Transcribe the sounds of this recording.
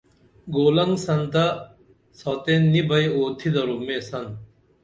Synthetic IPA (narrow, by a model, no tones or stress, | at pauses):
ɡoːlɐŋɡsɐnt̪ɐ | soːt̪enːibɐjoːt̪ʰid̪ɐɾumeːsɐn